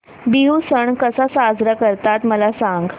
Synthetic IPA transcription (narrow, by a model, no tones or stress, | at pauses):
biɦusəɳkəsasad͡zɾakəɾt̪at̪məlasaŋɡ